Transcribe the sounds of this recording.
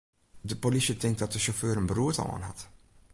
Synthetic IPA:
dəpolisətɪŋk̚tdɑt̚dəʃɔføːɾənbəruːtɔ̰lˠa̰ːnɦɑ̰t

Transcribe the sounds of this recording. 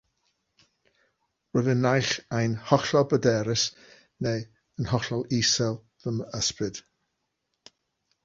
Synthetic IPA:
rʊɨðənːajχajnhɔɬɔbədɛɾɪs | nej | ənhɔɬɔlˠisɛlˠ | ðəməsprɨd̥

